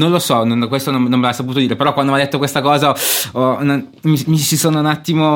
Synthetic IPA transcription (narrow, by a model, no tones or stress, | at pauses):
nõnlosɔnonkwest̪onomnõmːelasːaput̪od̪iːɾepeɾɔkːwand̪omajd̪et̪ːokwest̪akɔːzaɔna | mimisisoːnounat̪ːimo